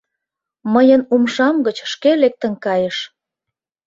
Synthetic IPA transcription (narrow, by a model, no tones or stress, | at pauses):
məjənumʃɑmɡət͡ɕʃkelek̚t̪ə̆nkɑjəʃ